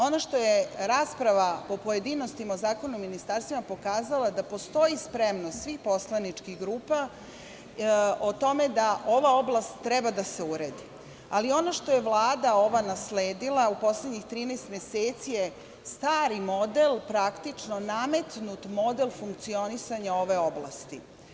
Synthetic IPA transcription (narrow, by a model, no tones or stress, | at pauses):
o̞noʃt̪o̞jeɾaːspɾaʋapo̞poje̞d̪ino̞st̪imaozaːkonumːinist̪aɾst̪vimapo̞kaːzalad̪apo̞st̪o̞jispɾemnosʋixpo̞slˠanit͡ʂkiɡɾuːpa | ot̪o̞me̞d̪aʔo̞ʋao̞blˠast̪ːɾɛbad̪aseuɾed̪i | alio̞noʃt̪o̞je̞ʋlˠaːd̪ao̞ʋanasleːd̪ilˠaupo̞sled̪ɲixt̪ɾiːneːst̪meseːt̪sije | st̪aːɾimo̞d̪elpɾakt̪it͡ʂno̞name̞t̪nut̪mo̞d̪elfuŋk̚t̪sio̞nisaɲao̞ʋe̞o̞blˠa̰st̪i